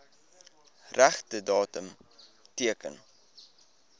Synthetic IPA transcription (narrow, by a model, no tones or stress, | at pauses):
ræχtədɑːtəmtiəkə̰n